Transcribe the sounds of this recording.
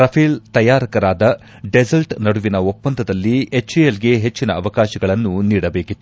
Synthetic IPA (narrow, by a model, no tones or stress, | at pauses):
ɾɐpʰiːlt̪ɐjaːɾɐkɐɾaːd̪ɐ | ɖesɐɾʈnɐɽuʋinɐopːɐnd̪ʱɐd̪ɐlːiet͡ʃielɡe̞ɦet͡ʃːinɐɐʋɐkaːʃɐɡɐɭɐnːuniːɽɐbe̞ːkit̪ːu